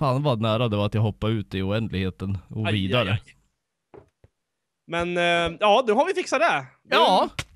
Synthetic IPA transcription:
faːnʋvad̪næːɾad̪ɛaɾat̪jaɦɔpːaɾʉ̟ːt̪ɪʊɛnd̪lɪɡheːt̪ənɔviːd̪aɾə | mɛnjɑːnʉɦaɾvɪfɪksat̪d̪ɛd̪ɑː

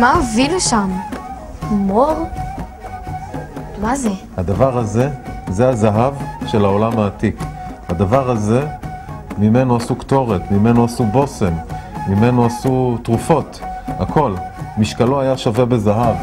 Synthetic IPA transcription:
maoviluʃam | moʁ | maze | had̪avaʁaze̞zehazaɦavʃelao̞lamaːt̪ikhad̪avaʁaze̞ | mime̞noasukt̪o̞ʁet̪mime̞noasubo̞se̞mːime̞noasut̪ʁufo̞t̪akʰo̞lmiʃkaloajaʃavebe̞zaɦav

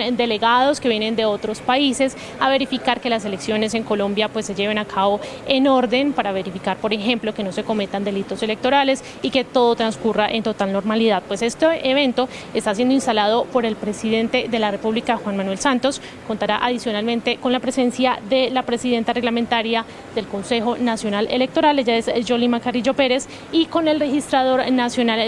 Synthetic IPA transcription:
d̪e̞le̞ɣaðo̞ske̞βje̞ne̞nd̪e̞o̞t̪ɾo̞spaise̞s | aβe̞ɾifikaɾke̞las̬e̞le̞ksjo̞ne̞s̬e̞ŋko̞lõ̞mbjapwe̞sːe̞ʝe̞βenakʰaβo̞eno̞ɾd̪e̞npaɾaβe̞ɾifikaɾpo̞ɾe̞xe̞mplo̞keno̞se̞ko̞me̞t̪and̪e̞lit̪o̞se̞le̞k̚t̪o̞ɾale̞s | ike̞t̪o̞ðo̞t̪ɾanskuraʔe̞nt̪o̞t̪alno̞ɾmaliðað̚pwe̞se̞st̪eʔeβ̞e̞nt̪o̞ | est̪as̬je̞ndoinst̪alað̞o̞po̞ɾe̞lpɾe̞siðe̞nt̪e̞ðe̞lare̞puβlikaxwanmanwe̞lsant̪o̞s | kont̪aɾaʔaðisjo̞nalmẽ̞nt̪e̞ko̞nlapɾe̞se̞nsjaðe̞lapɾe̞siðe̞nt̪are̞ɣlament̪aɾja | ðe̞lko̞nse̞xo̞nasjo̞nalʔele̞k̚t̪o̞ɾale̞d͡ʒae̞zd͡ʒo̞limakarid͡ʒo̞pe̞ɾe̞s | iko̞ne̞lre̞xist̪ɾað̞o̞ɾnasjo̞nal

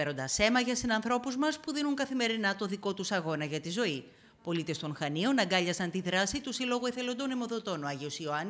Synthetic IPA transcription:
eɾo̞nd̪ɐse̞mɐʝɐsinɐnθɾo̞puzmɐspuðinuŋkɐθime̞ɾinɐt̪o̞ðiko̞t̪usɐɣo̞nɐʝɐt̪izo̞i | po̞lit̪e̞st̪o̞nxɐnio̞nɐɡɐʎɐsɐnt̪iðɾɐsit̪usilo̞ɣoiθe̞lo̞nd̪o̞nemo̞ðo̞t̪o̞noɐʝio̞sio̞ɐn

